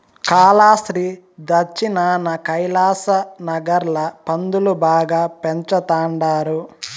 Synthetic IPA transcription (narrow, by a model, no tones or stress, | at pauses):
kaːlaːʃɾiː | d̪ɐt͡ʃːinaːnɐkɐjlaːsɐnɐɡɐɾlɐpɐnd̪ulubaːɡaːpeɲt͡ʃɐt̪aːɳɖaːɾu